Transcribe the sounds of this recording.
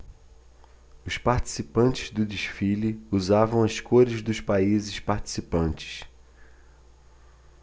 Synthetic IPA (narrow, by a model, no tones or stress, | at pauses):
ʊspaɾt͡ʃi̥sipɐ̃nt͡ʃɪzd̪ʊd͡ʒiʃfiliuzavɐ̃w̃ɐskoɾɪzd̪ʊʃpaizɪʃpaɾt͡ʃi̥sipɐ̃nt͡ʃɪ̥s